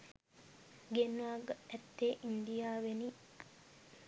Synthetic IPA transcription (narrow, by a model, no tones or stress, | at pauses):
ɡenʋaːɡɐɛt̪ːeːʔind̪ijaːʋeniː